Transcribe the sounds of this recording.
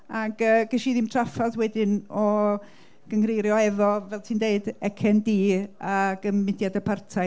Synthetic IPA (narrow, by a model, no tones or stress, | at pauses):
aɡəːɡ̥ɛʃiðimtʰrafaðwɛdɪnɔ | ɡ̥əŋrejɾjɔɛvɔvɛlˠtʰiːndeɨdɛkʰɛndiːaɡ̥əmmːɪdjadəpʰartʰa